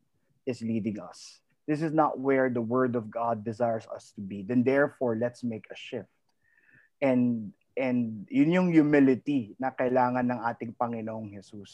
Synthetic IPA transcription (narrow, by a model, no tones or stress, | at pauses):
ʔɪsliːd̪ɪŋɐ̰s | d̪ɪs̬ɪsnɐ̰t̪̚wɛɹd̪ɐwɜɹd̪ɔvɡad̪ːɪzajɹsɐ̰st̪ʊbid̪ɛ̃nd̪ɛɹfoɹlɛt̪smejkʰɐʃɪft̪̚ | ʔɛ̃n | ʔɛ̃nd̪jʊnjʊŋjʊmɪlɪt̪inɐkɐʔɪlaːŋɐnːɐŋʔaːt̪ɪŋpɐŋɪnooŋhɛsus